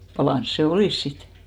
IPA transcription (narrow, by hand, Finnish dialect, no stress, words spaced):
pɑlɑˑns se oliˑs sit